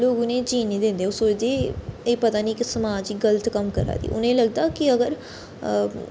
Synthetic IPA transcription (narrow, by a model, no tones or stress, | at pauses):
loːɡʊnẽːt͡ʃiːnĩd̪ẽːnd̪eʊsoːɾd̪eːeːpət̪aːnĩːkɪsəmaːd͡ʒiːɡələt̪kəmkəɾa̰ːd̪ḭːʔʊ̰nẽːləɡ̚d̪aːkɪəɡəɾ